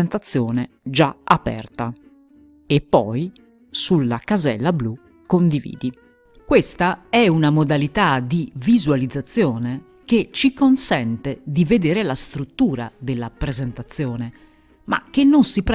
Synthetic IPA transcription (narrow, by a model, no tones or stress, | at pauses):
nt̪at̪sːjɔːnɛ | d͡ʒaapɛ̰rt̪a | ɛpːɔj | sulːakazɛ̰lːablu | kːond̪ivḭːd̪i | kwest̪aɛunamod̪alit̪ad̪ivizualid̪zːat̪sːjɔːne | k̟et͡ʃikonsɛnt̪ed̪ived̪eːɾelast̪ɾut̪ːuːɾa̰d̪elːapɾezɛnt̪at̪sːjɔːnɛ | ma̰k̟ːenːonsip